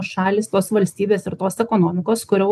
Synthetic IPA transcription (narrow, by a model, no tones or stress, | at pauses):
ʃɑːlʲiːst̪oːsʋɐlʲsʲt̪ʲiːbʲeːsɪɾt̪oːsɛkoːnoːmʲɪkoːskʊɾʲoʊ